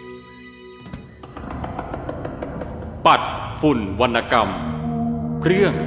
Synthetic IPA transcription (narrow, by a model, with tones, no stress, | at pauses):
pa˨˩t̪̚fu˨˩nwa˧nʔa˧ka˧m | pʰɾɯ˥˩əŋ